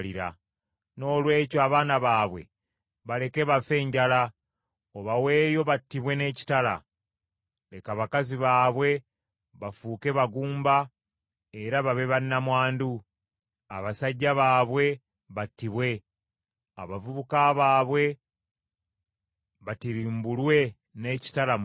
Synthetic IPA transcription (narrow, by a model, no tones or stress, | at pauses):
liɾa̰ | no̞ːlwe̞ːcoaβaːnaβaːβwe̞̰ | βale̞keβafe̞ːɲɟala | oβawe̞ːjo̞βatːiβwe̞ne̞ːci̥tala̰ | le̞kaβakaziβaːβwe̞ | βafuke̞βaɡuːmba | e̞ɾaβaβe̞βanːamwaːndu | a̰βasaɟːaβaːβwe̞ | βatːiβwe̞ | a̰βavuβukaβaːβwe̞ | βatiɾiːmbulwe̞ | ne̞ːci̥tala